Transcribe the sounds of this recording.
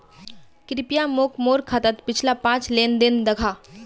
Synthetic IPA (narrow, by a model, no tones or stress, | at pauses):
kɾɪpijamoːkʰmoːɾkʰat̪ət̪pɪt͡ʃʰlapãːt͡ʃleːnd̪ɪnd̪ɐɡʰʱa